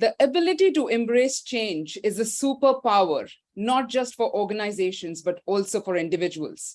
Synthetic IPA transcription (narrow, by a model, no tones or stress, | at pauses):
d̪əʔəbɪlɪʈiʈuʔɛ̃mbɾeːst͡ʃẽːnd͡ʒɪzəsuːpəpaʊə̰ɾ | nɔːʈ̚d͡ʒʌsʈfɔɾʔɔːɾɡənaɪzeːʃə̃nzbɐʈɔːlsoːfɔɾɪ̃ɳɖɪʋɪd͡ʒuə̰lz̥